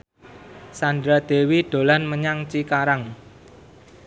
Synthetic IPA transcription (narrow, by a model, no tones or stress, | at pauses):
sandɾad̪̥e̤wiɖ̪̥o̤lanməɲaŋt͡ʃikaɾaŋ